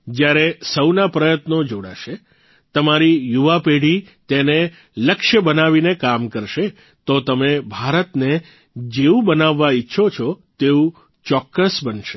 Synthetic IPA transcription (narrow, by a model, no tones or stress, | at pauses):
d͡ʒjaɾesəwnapɾəjət̪nod͡ʒoɽa̰ʃe | t̪əmaɾijuʋapeɽ̤i | t̪ene | ləkʃjəbənaʋinekamkəɾʃe | t̪ot̪əmebʱaɾət̪ne | d͡ʒeũbənaʋːaitːʃʰot͡ʃʰot̪eũ | t͡ʃɔkːəsbənʃe